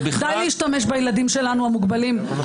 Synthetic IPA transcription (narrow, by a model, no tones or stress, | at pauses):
d̪ajleiʃtame̞ʃ̬bajelad̪imʃe̞lanuhamuɡbalim